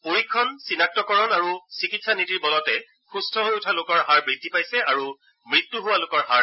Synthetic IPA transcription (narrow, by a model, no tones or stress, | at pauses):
poɹikʰːɔnsinak̚tɔkɔɹɔnaɹusikitsanitiɹbɔlɔtɛ | xustʰɔɦojʊtʰalokɔɹɦaɹbidʱipajsɛaɹu | mɹitːuɦʊwalokɔɹɦaɹ